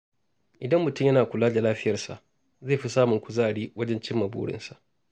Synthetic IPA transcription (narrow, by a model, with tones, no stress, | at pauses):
ʔɪ˨dɐ˦mːʊ˨tʊ˦˨jɐ˦naː˨kʷʊ˨laː˦da˨laː˦ɸɪ˦jɐ˨rsa̰˨ʔ | zaː˦˨ɸi˦saː˦mʊ˨ŋkʷʊ˨zaː˦˨ɽiː˦wɐ˦d͡ʒɛ˦nt͡ʃɪ˦mːɐ˨bṵː˦ɽɪ̰˦nsa˨ʔ